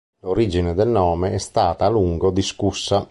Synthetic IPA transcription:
loɾid͡ʒined̪elnɔːmeɛst̪aːt̪aːluŋɡod̪iskusːa

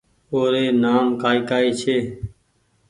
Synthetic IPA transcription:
oːɾeːnaːmkaːiːkaːiːt͡ʃʰeː

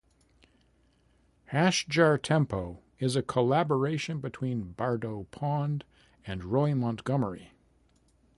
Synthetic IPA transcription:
hæʃd͡ʒɑɹtʰɛ̃mpoʊ | ɪzɨkʰəlæbə˞eɪʃɨ̃nbɨtʰw̥ĩnbɑɹdoʊpʰɑ̃nd | ɨ̃nɹɔɪmɑ̃nɡ̥ʌmə˞ḭ

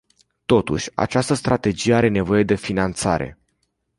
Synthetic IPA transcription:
t̪o̞t̪ṵʃʲa̰t͡ʃast̪əst̪ɾat̪e̞d͡ʒije̞aɾe̞ne̞vo̞je̞d̪e̞finant̪sa̰ɾe̞̰

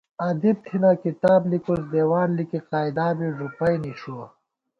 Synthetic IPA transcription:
ɐd̪ib̚t̪ʰinakit̪aːblikosd̪eːwaːnlikiqaːjd̪aːbiʐupɐjniɕuo

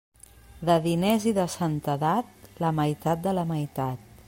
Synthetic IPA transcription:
d̪əðineziðəsənt̪əðat̪̚ləməjt̪at̪̚d̪ələməjt̪at̪̚

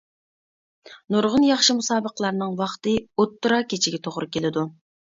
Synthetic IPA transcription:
nuɾʁʊnjɑχʃimusɑːbəqəlˠɑɾnɨŋwɑχt̪ɨot̪ːɨɾɑkʲet͡ʃʰiɡʲɛt̪ʰoʁɾɨkʲʰelɪd̪u

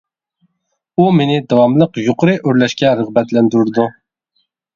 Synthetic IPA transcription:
umenɪd̪ɑwɑmlˠəqjoqʰəɾɨʔøɾlɛʃkʲɛɾəʁbɛt̪lɛnd̪yɾɾd̪u

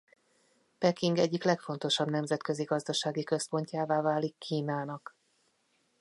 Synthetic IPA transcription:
pɛkiŋɡɛɟːiklɛkfo̞n̪t̪o̞ʃɒbn̪ɛmzɛt̪kø̞ziɡɒzd̪ɒʃaːɡikø̞spo̞ɲcaːvaːvaːlikːiːnaːnɒk

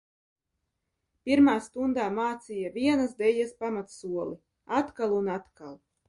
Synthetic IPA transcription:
pʲiɾmaːst̪und̪aːmaːt̪sijavʲiɛnazd̪ɛʎaspamat̪suɔlˠi | at̪kalˠunat̪kalˠ

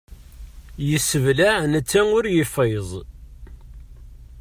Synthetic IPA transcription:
jəsːəvlaʕnət͡sːæŋʊɾjəfezˤ

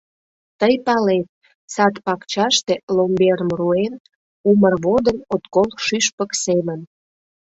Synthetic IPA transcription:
t̪əjpɑlet̪̚ | sɑt̪pɑkt͡ɕɑʃt̪elombeɾəmruen | umərβod̪ənot̪kolˠkʃyʃpəksemən

